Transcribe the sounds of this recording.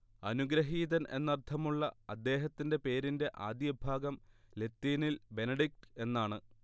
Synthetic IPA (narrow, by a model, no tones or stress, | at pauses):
ɐnuɡɾɐɦiːðɐnʔe̞̰nːɐrt̪ʰːɐmuɭːɐɐd̪ːe̞ːɦɐt̪ːinde̞pe̞ːɾinde̞ʔaːd̪jɐbʱaːɡɐmle̞t̪ːiːnilbe̞nɐɖik̚ʈe̞nːaːɳɨ